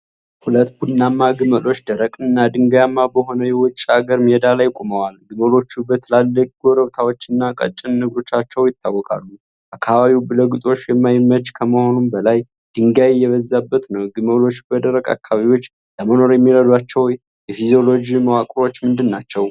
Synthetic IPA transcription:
hulət̪bud̪namːaɡɨməlo̞t͡ʃːd̪əɾəkʼɨnːad̪ɨŋɡjamːabəɦo̞nəjɛwɔt͡ʃʼːaɡəɾmiɛd̪alajkʷʼuməwalɡɨməlo̞t͡ʃːubət̪ʰəlalːəkʼɡoɾəβt̪ʰawo̞t͡ʃːɨnːakʼə̰t͡ʃʼːɨnːɨɡɾo̞t͡ʃːat͡ʃːɛwjɪt̪ʰːawːɔkʼa̰lːu | ʔakʰːaβaβiwbɨləɡɨt̪ʼo̞t͡ʃːjɛmːajmːət͡ʃkʰəməho̞numbəlaj | d̪̥ɨŋɡajjːɛβəzːabːət̪nəwɡɨməlo̞t͡ʃːbəd̪əɾəkʼa̰kʰːaβaβiwo̞t͡ʃː | ləməno̞ɾjɛmːiɾəd̪wat͡ʃːɛw | jɛfizio̞lo̞d͡ʒiməwakʼɾo̞t͡ʃːmɨnd̪ɨnːat͡ʃːɛw

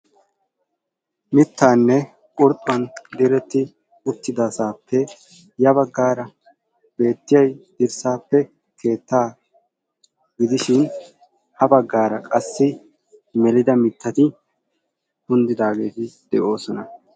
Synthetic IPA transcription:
mɪt̪ːaːnːɛ | kʼʊɾt̪ʼʊwɐnd̪ɛɾɛt̪ːɪ | ʊt̪ːɪd̪asaːpʰːɛ | jɐbɐɡːaːɾɐ | b̥e̞ːt̪ːɪjɐjd̪̥ɪɾsaːpːɛ | kʰe̞ːt̪ːaː | ɡɪd̪ɪʃɪn | hɐbɐɡːaːɾɐkʼɐsːɪ | mɛlɪd̪ɐmɪt̪ʰːɐt̪ɪ | hʊnd̪ɪd̪aːɡe̞ːt̪ɪd̪̥ɛʔo̞ːsɔnɐ

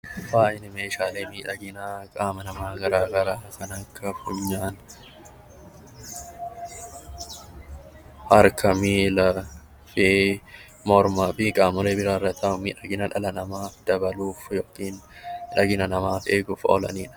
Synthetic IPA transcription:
faːʔɪnɪmeːʃaːleːmiːᶑɐɡɪnakʼaːmɐnɐmaːɡɐɾaːɡɐɾaːkɐnɐkːɐfʊɲːaːn | hɐɾkʰɐmiːlɐ | fe | mɔɾmaːbiːkʼaːmɔleːbɪɾaːrɐt̪ɐmiːᶑɐɡɪnɐᶑɐlɐnɐmaːfd̪ɐbɐluːfjoːkʼːiːnɪᶑɐɡɪnɐnɐmaːfeːɡʊfɔ̰lɐ̰niːᶑɐ̥

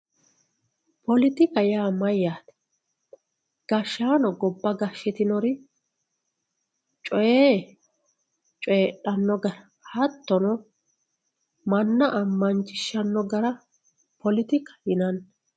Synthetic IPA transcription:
pɔlɪt̪ɪkɐjaːmɐjːaːt̪ɛ̥ | ɡ̥ɐʃːaːnɔɡɔbːɐɡɐʃːɪt̪ɪnɔɾɪ | t͡ʃʼɔjeː | t͡ʃʼɔjːɗɐnːɔɡɐɾɐ | hɐt̪ːɔnɔ | mɐnːɐʔɐmːɐnt͡ʃʼːɪʃːɐnːɔɡɐɾɐ | pʰɔlɪt̪ɪkɐ̥jɪnɐnː

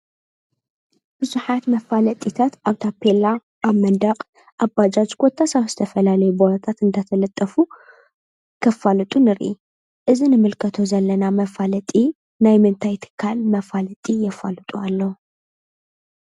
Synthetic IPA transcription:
b̥ɨzuħat̪mɐfalɐt̪ʼit̪ʰat̪ʔaβt̪ʰapʰːela | ʔaβmɐnd̪ɐqʼ | ʔabad͡ʒat͡ʃʼɡot̪ʰːasaβz̥ɨt̪ʰɐfɐlalɐjuboɾɐt̪ʰat̪ɨnd̪at̪ʰɐlɐt̪ʼːɐfu | kʰɐfːalɨt̪ʼunɨɾʔi | ʔɨzinɨmɨlkʰɐt̪ʰo̞zɐlːɐnamɐfalɐt̪ʼi | najmɨnt̪ʰajt̪ʰɨ̥kʰːalmɐfalɐt̪ʼijɛfalɨt̪ʼualːɐ

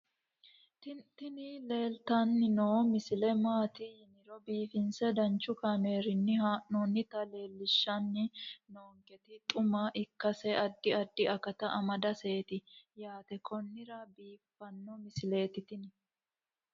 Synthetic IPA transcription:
t̪ɪnile̞ːlt̪ɐnːɪnoːmɪsɪlɛmaːt̪ɪjɪnɪɾɔbiːfɪnsɛd̪ɐnt͡ʃːʊkɐme̞ːɾɪnːɪhaːʔnonːɪt̪ɐle̞ːlːɪʃːɐnːɪnoːŋkɛt̪ɪt̪ʼʊmɐʔɪkːɐsɛʔɐd̪ːɪɐd̪ːɪɐkɐt̪ɐʔɐmɐd̪ɐseːt̪ɪjaːt̪ɛkʰɔnːɪɾɐbiːfːɐnːɔmɪsɪle̞ːt̪ɪt̪ɪnɪ

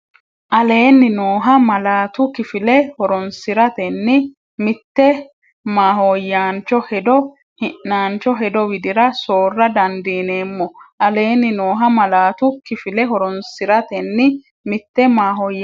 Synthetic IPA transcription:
ʔɐle̞ːnːɪnoːɦɐmɐlaːt̪ʊkɪfɪlɛhɔɾɔnsɪɾɐt̪ɛnːɪ | mɪt̪ːɛ | maːhojːaːnt͡ʃːɔhɛd̪ɔ | hɪnːaːnt͡ʃːɔɦɛd̪ɔwɪd̪ɪɾɐso̞ːrːɐd̪ɐnd̪iːne̞ːmːɔʔɐle̞ːnːɪno̞ːɦɐmɐlaːt̪ʊkɪfɪlɛɦɔɾɔnsɪɾɐt̪ɛnːɪ | mɪt̪ːɛmaːɦoːj

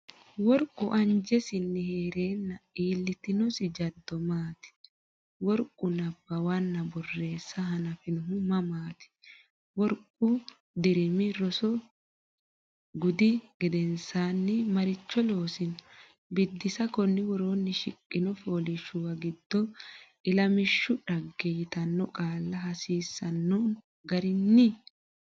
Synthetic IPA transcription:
wɔɾkʼʊʔɐɲd͡ʒɛsɪnːɪhe̞ːɾe̞ːnːɐiːlːɪt̪ɪnɔsɪd͡ʒɐd̪ːɔmaːt̪ɪ̥ | wɔɾkʼːʊnɐbːɐwanːɐbɔrːe̞ːsːɐɦɐnɐfɪnʊɦʊmɐmaːt̪ɪ̥ | wɔɾkʼːʊ | d̪ɪɾɪmɪɾɔsɔ | ɡʊd̪ɪɡ̥ɛd̪ɛnsaːnːɪmɐɾɪt͡ʃːɔlo̞ːsɪnɔ | bɪd̪ːɪsɐkɔnːɪwɔɾo̞ːnːɪʃɪkʼːɪnɔfo̞ːlɪʃʊwɐɡɪd̪̥ːɔʔɪlɐmɪʃːʊᶑɐɡːɛjɪt̪ɐnːɔkʼaːlːɐɦɐsiːsːɐnːɔ | ɡɐɾɪnːɪ

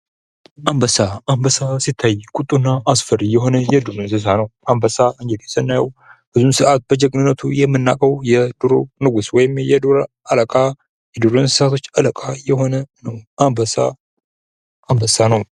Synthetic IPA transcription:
ʔambəsaambəsasit̪ʰːajkʼut̪ʼːunːaʔːsfəɾjɛɦo̞nəjɛd̪uɾɨnsɨs̬anəwʔambəsaɨŋd͡ʒɛlɛsənːajəwb̥ɨzumsɨʔat̪̚bəd͡ʒɛkʼnɨnːət̪ʰujɛmːɨnːakʼəwjɛd̪̥uɾo̰nɨɡuswɔjɪmjɛd̪uɾʔaləkʼa | jɛd̪uɾonsɨsat̪ʰot͡ʃːaləkʼajɛho̞nənəwʔambəsa̰ | ambəsanəw

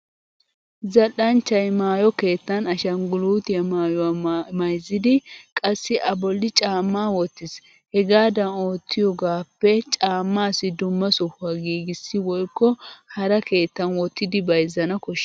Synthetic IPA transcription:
zɐlːɐnt͡ʃːɐjmaːjɔke̞ːt̪ːɐnɐʃɐŋɡʊluːt̪ɪjɐmaːjɔwamɐjzɪd̪ɪkʼɐsːɪʔɐbɔlːɪt͡ʃʼaːmːaːwɔt̪ːɪs | hɛɡaːd̪ɐno̞ːt̪ʰːɪjɔɡaːpːɛt͡ʃʼaːmːaːsɪd̪ʊmːɐsɔhʊɐɡiːɡɪsːɪwɔjkːɔhɐɾɐke̞ːt̪ːɐnwɔt̪ːɪd̪ɪbɐjzɐnɐkɔʃ

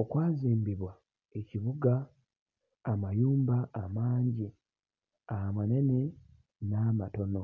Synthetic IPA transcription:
okwaːziːmbiβwa | e̞ciβuɡaː | majuːmbaːmaːɲɟi | ahamwane̞ne | namato̞no̞

